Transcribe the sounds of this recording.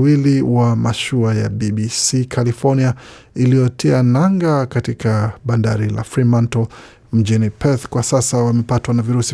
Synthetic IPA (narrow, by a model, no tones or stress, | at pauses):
wiliwamaʃuaja̰ɓiɓisikʰalifɔɾnia | ilijɔtʰɛanaŋɡakatikʰaɓandaɾila̰fɾimantɔ | m̩d͡ʒinipɛθkwasasawamɛpatwanaviɾusi